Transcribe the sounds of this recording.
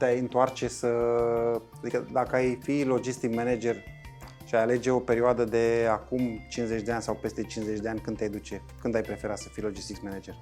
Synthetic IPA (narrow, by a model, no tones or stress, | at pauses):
t̪eajɨnt̪oart͡ʃe̞sə | ad̪ikəd̪akəajfilo̞d͡ʒist̪ikmened͡ʒe̞r | ʃiajale̞d͡ʒe̞o̞pe̞ɾioad̪əd̪e̞akumt͡ʃinze̞t͡ʃʲd̪e̞anʲsawpe̞st̪e̞t͡ʃinzet͡ʃʲd̪e̞anʲkɨnd̪jajd̪ut͡ʃe̞ | kɨnd̪ajpɾe̞fe̞ɾat̪sə̥fijlo̞d͡ʒist̪ikmened͡ʒe̞r